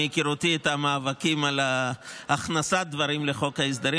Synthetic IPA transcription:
ikiʁot̪iet̪amaːvakimalaaχnasad̪vaɾimleχo̞khais̬d̪aɾi

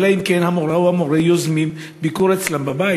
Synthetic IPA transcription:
laimkenhamoʁawhamoʁejozmim | bikuʁet͡slambabai

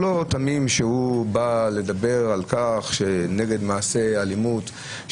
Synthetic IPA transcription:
lo̞t̪amimʃehubale̞d̪abe̞ʁalkaχʃeneɡe̞d̪maːse̞alimut̪

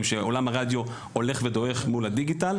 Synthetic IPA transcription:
mʃeo̞lamaʁad̪jo | ole̞χved̪o̞eχmulad̪iɡit̪al

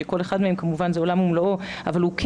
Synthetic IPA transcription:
eko̞leχad̪meemkamuvanzeo̞lamhumlooavalhuk

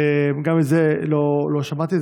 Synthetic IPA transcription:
emɡamizelolo̞ʃamat̪i

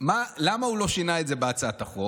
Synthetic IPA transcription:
malamaulo̞ʃinaetzebeat͡saataχo

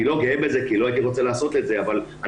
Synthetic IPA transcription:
ilo̞ɡeembezekiloait̪iʁo̞t͡selaːso̞t̪leze̞avala

